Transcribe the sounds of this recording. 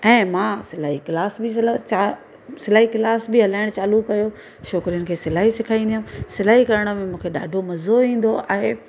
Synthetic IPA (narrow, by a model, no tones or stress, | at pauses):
ɛ̃ːmãsɪlaːɦikɪlaːsbɪaa | sɪlaːɦiklaːsbɪɦɐlaːɪɽ̃t͡ɕaːlukːɐjo | ʃɔːkɾijʊnɪ̆kʰeːsɪlaːɦisɪkʰaːĩːnd̪iɦũsɪlaːɦikɐɾəɽ̃ə̆mẽmũːkʰeɗa̰ːɖʱomɐzoĩːn̆d̪oa̰ːɦe